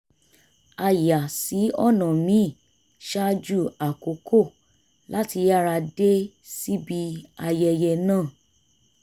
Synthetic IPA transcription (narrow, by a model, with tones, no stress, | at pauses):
a˨ja˨si˨˦ɔ˦˨nã˨mĩ˨˦˨ | ʃa˦d͡ʒu˦˨a˨ko˨˦kʰo˦˨ | la˦ti˧ja˦ɾa˧de˦ | si˦bi˧a˧jɛ˧jɛ˧nãː˦˨